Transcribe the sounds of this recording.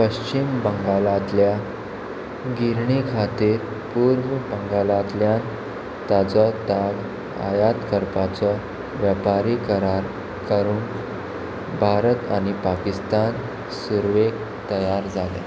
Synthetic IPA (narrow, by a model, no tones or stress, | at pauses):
pəɕt͡ɕimbəŋɡalat̪lja | ɡiɾɳikʰat̪iːɾ | puɾʋəbəŋɡalat̪ljan | t̪ad͡zɔt̪aɡ | a̰jat̪kəɾpat͡sɔ | ʋjəpaɾikəɾaɾ | kəɾuːn | bʱaɾət̪añipakist̪an | suɾʋek | t̪əjaɾd͡zalḛ